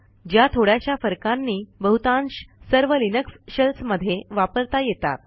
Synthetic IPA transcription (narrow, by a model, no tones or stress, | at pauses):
d͡ʑjat̪ʰoɽjaɕjafəɾkãnːiːbəɦut̪ãnɕsəɾʋəlinəksɕəlsməd̪ʱːjeʋapəɾt̪ajet̪a̰t̪̚